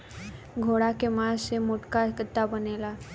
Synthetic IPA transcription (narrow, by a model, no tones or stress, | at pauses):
ɡʱoɽakemasemoʈkakət̪ːabənela